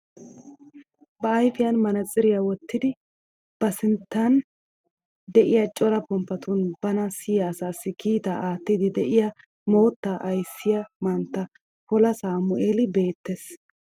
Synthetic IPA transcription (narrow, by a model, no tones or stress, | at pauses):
bɐːjfɪjɐnmɐnɐt͡sʼːɪɾɪjɐwɔt̪ːɪd̪ɪ | b̥ɐsɪnt̪ːɐn | d̪ɛʔɪjɐt͡ʃʼɔlɐpɔmpːɐt̪unbɐnɐsɪjɐːsaːsːɪkiːt̪ɐʔaːt̪ːɪd̪ɪd̪ɛʔɪjɐ | mo̞ːt̪ːaʔɐjsːɪjɐmɐnt̪ːɐ | hɔlɐsaːmʊʔeːlɪbe̞ːt̪ːes